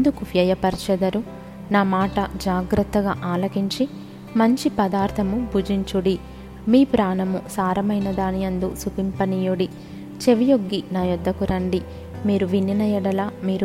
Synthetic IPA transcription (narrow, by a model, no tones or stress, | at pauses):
nd̪ukuʋjɐjɐpɐɾt͡ʃɐd̪ɐɾu | naːmaːʈɐd͡ʒaːɡɾɐt̪ːɐɡaːʔaːlɐkiɲt͡ʃi | mɐɲt͡ʃipɐd̪aːɾt̪ʰɐmubʱud͡ʒiɲt͡ʃuɽi | miːpɾaːnɐmusaːɾɐmɐjnɐd̪aːnijɐnd̪usupimpɐnijuɽi | t͡ʃe̞ʋijoɡːinaːjɔd̪ʱːɐkuɾɐɳɖi | miːɾuʋinːinɐjɛɽɐlaːmiːɾu